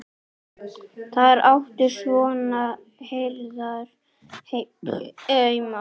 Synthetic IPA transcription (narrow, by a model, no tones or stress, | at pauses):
θaðɛɾʔawft̪ɪɾ̥svɔːna | hejɾðaɾ̥ | he | œɥma